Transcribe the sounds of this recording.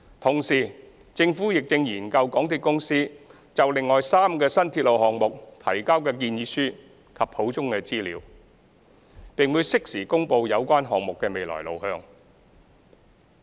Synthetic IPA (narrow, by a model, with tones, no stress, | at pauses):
t̪ʰʊ˨˩ŋsiː˨˩ | t͡sɪ˧ŋfuː˨˥jɪ˨k̚t͡sɪ˧ŋjiː˨˩nkɐ˧wkɔː˨˥ŋt̪ʰiː˧t̚kʊ˥ŋsiː˥ | t͡sɐ˨wlɪ˨ŋːɔː˨jsaː˥mkɛː˧sɐ˥nt̪ʰiː˧t̚lo˨whɔː˨ŋmʊ˨k̚t̪ʰɐ̰˨˩jkaː˥wkɛː˧kiː˧njiː˨˥syː˥ | kʰɐ˨pho˨˥wt͡sʊ˥ŋkɛː˧t͡siː˥liː˨˥w | pɪ˨ŋwuː˨˧jsɪ˥k̚siː˨˩kʊ˥ŋpo˧wjɐ˨˧wkʷaː˥nɦɔː˨ŋ̚mʊ˨kːɛː˧me˨jlɔ̰ː˨˩jlo̰˨whœː˧ŋ